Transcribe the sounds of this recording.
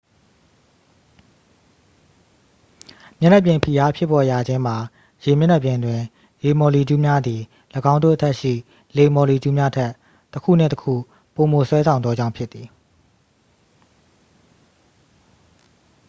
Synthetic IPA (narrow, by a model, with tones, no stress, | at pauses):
mjɛ˦nɛ˦˨pjɪ̃˨mpʰi˨ja˦pʰjɪ˦˨pːɔ˨ja˨d͡ʑɪ̃˦m̥a˨ | je˨mjɛ˦nɛ˦˨pjɪ̃˨ndwɪ̃˨ | je˨mɔ˨li˨tu˦mja˦d̪ði˨ | lə˨ɡã˦ndo̰˦˨ʔətʰɛ˦ʔʃḭ˦˨ | le˨mɔ˨li˨d͡ʑu˦mja˦tʰɛ˦˨ʔ | tːəkʰṵ˦˨nɪ̰̃˦˨təkʰṵ˦˨ | po˨mo˨swɛ˦sʰã˨ʊ̃nɔ˦d͡ʑã˦ʊ̃pʰjɪ˦t̪ːi˨